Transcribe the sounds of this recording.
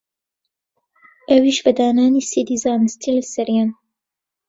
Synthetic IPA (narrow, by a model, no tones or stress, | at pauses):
ʔɐwiːʃbɐd̪aːnaːniːsid̪iːzaːnɨst̪ʰilɐsɐɾjaːn